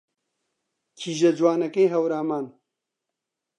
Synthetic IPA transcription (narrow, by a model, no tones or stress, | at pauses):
kʰiːʒɐd͡ʒwaːnɐkejɦɐwɾaːmaːn